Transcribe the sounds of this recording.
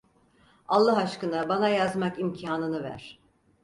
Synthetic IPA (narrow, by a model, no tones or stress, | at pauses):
alˠːɯɦaʃkɯnabanajazmakimcʰaːnɯnɯvæ̰ɾ̥